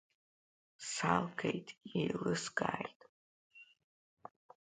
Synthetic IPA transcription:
salɡʰejtʼejlɨsɡaːjtʼ

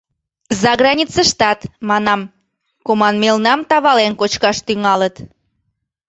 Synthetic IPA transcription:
zɑɣɾɑnʲit͡səʃt̪ɑt̪mɑnɑm | komɑnmelnɑmt̪ɑβɑlenkot͡ɕkɑʃt̪yŋɑlət̪

